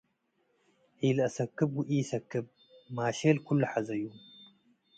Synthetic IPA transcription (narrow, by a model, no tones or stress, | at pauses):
ħilɨʔɐsɐkːɨbɡʊʔijsɐkːɨb̚ | maːʃelkʰulːuħazɐjːu